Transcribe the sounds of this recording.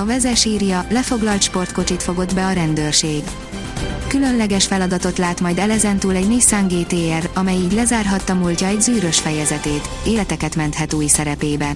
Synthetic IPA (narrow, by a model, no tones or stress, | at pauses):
ɒvɛzɛʃiːrjɒlɛfo̞ɡlɒlt̪ʃpo̞rt̪̚ko̞t͡ʃit̪fo̞ɡo̞d̪bɛɒɾɛnd̪øːrʃeːɡ | kylø̞nlɛɡɛʃfɛlɒd̪ɒt̪o̞t̪laːt̪mɒjd̪ɛlɛzɛnt̪uːlɛɟneːsaːŋɡeːt̪eːɛrɒmɛjiːɟlɛzaːrɦɒt̪ːɒmuːlcɒɛɟzyːɾø̞ʃfɛjɛzɛt̪eːt̪eːlɛt̪ɛkɛt̪mɛnt̪hɛt̪uːjisɛɾɛpeːbɛn